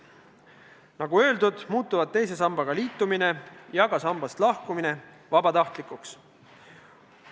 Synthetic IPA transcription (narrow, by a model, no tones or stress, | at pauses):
nɑɡ̥uø̞ːld̪̥ud̪̥muːt̪ːˑuvɑd̪̚t̪ːe̞js̬e̞sɑmbɑɡ̥ɑliːt̪ːˑumine̞jɑɡ̥ɑsɑmbɑst̪lɑhkumine̞ | vɑbɑt̪ɑht̪likˑuks